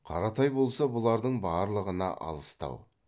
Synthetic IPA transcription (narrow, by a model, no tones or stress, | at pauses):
qʰɑɾɑt̪ɑjbo̞lˠsɑbʊlˠɑɾd̪əɴbɑːɾlˠəʁənɑ̰ʔɑ̰lˠəst̪ɑ̰w